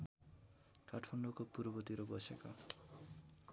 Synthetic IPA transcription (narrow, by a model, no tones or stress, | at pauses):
ʈʰʌʈʰpʰʌnɖokopuɾbʌt̪iɾobʌseka